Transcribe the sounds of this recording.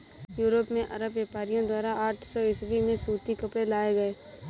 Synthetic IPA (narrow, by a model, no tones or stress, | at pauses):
juːɾopmẽʔəɾəbʋeːpaːɾijõd̪waːɾaaːʈʰsɔːɪsʋimẽsuːt̪ikəpɽelaːeɡəeː